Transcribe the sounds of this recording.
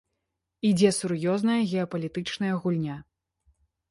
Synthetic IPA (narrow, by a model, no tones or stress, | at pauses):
id͡zʲɛsurjɔzn̪ɐjɐɣʲɛɐpɐlʲit̪ɨt͡ʂnɐjɐɣulʲnʲa